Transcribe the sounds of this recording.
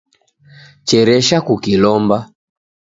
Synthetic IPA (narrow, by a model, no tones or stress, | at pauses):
t͡ʃɛɾɛʃakukilɔmba